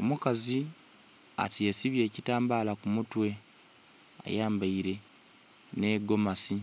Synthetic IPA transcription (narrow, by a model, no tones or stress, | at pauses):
o̞mukazi | a̰tiesiβje̞ːcitaːmbaːlakumutwe̞ | a̰jaːmbaiɾe̞ | ne̞ɡo̞masi